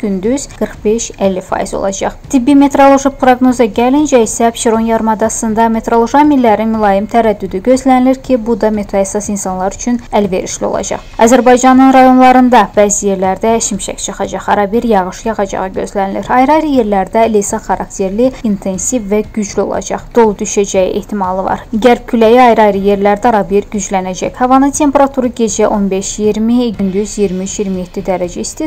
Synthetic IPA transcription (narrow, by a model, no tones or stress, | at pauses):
ɟ̥ynd̪yz̥ɡ̥ɯɾχbe̞ʃælːifɑ̰izo̞̰lˠɑ̰d͡ʒɑ̰χt̪ʰibːime̞t̪ɾo̞lˠo̞ʒipɾoɡno̞zɑɟælind͡ʒæisæpʃiɾo̞njɑɾmɑd̪ɑsɯnd̪ɑme̞t̪ɾo̞lˠoʒɑmilːæɾinmulˠɑjimt̪ʰæɾæd̪ːyd̪yɟø̞zlæniliɾcʰibud̪ɑme̞t̪ʰɾoæsɑsinsɑnlˠɑɾyt͡ʃʰynælve̞̰ɾḭʃlio̞̰lˠɑ̰d͡ʒɑ̰χɑzæɾbɑjd͡ʒɑnɯnɾɑjo̞nlˠɑɾɯnd̪ɑbæːzije̞ɾlæɾd̪æʃimʃæ̰kʲt͡ʃʰɨχɑd͡ʒɑʁɑɾɑbiɾjɑʁɯʃjɑʁɑd͡ʒɑ̰ʁɯɟø̞̰zlæniliɾɑjɾɑjɾɯje̞ɾlæɾd̪ælesɑχɑɾʔɑ̰kt̪ʰe̞ɾliint̪ʰe̞nsivːæɟyd͡ʒlio̞̰lˠɑ̰d͡ʒɑ̰χd̪̥o̞lˠd̪yʃæd͡ʒæjḭʔe̞̰ht̪ʰimɑlˠɯvɑ̰ɾɟæɾb̚cʰylæjiɑjɾɑjɾɯje̞ɾlæɾd̪æɑɾɑbiɾɟyd͡ʒlænæd͡ʒæ̰chɑvɑnɯt̪ʰe̞mpeɾɑt̪ʰuɾɯɟe̞d͡ʒæʔo̞nbe̞ʃjiɾmiɟynd̪yzjiɾmiyt͡ʃjiɾmije̞t̪ʰːid̪æɾæd͡ʒæist̪i